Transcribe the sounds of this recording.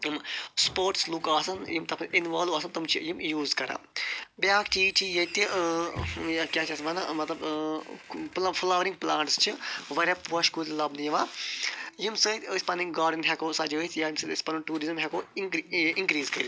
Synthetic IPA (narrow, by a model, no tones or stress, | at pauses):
jimspoːɾʈslukaːsɐnjimt̪ɐpʰinʋaːluaːs̬ɐnt̪ɐmt͡ʃʰijimjuːzkɐɾa̰ːbjaːkt͡ʃiːt͡ʃʰijɐt̪iʔ | jakjaːt͡ʃʰɐsʋɐnamɐt̪lɐb | plpʰɐlaːʋɾĩŋɡ̚plaːɳʈst͡ʃʰiʋɐɾʲjapuːɐʃkuːlʲlɐbnjiʋaː | jimsət̪ʲəsʲpɐniŋɡaːɾɖinɦʲɛkoːsad͡ʒət̪ʰjajimsɐt̪spɐniʈuːɾizɨmɦʲɛkoː | iŋkɾiːzkɐl